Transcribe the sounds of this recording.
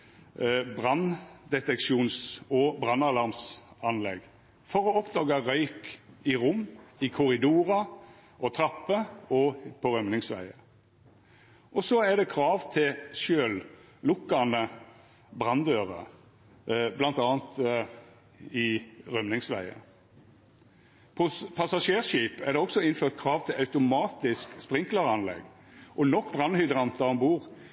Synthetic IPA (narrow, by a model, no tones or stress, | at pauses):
bʁɑnd̪ɛt̪ɛkʃuːnsɔbʁɑnːɑlɑʁmsɑnlɛ̰ɡ | fɔʁɔɔpd̪ɑːɡɑʁœʏkɪʁʊmːɪkʰʊʁɪd̪uːʁɑ | ɔt̪ʰɾɑpːəɔpʰɔʁœmnɪŋsʋæ̰ɪə | ʔɔsɔæd̪ɛkʰɾɑːʋt̪ʰɪlʃøːl | lʊkːɑnə | bʁɑnd̪øːʁə̰ | blɑnt̪ɑːnt̪ | ɪʁœmnɪŋsʋæ̰ɪə̰ | pʰɔpʰɑsɑʂeːʁʃiːpæd̪ɛɔksɔɪnføːʁt̪̚kʰʁɑːʋt̪ʰɪlʔɑʉt̪ʊmɑːt̪ɪskspʁɪŋklɑʁɑnlɛ̰ɡ | ʔɔnɔkːbʁɑnhʏd̪ʁɑnt̪ɑnbuːʁ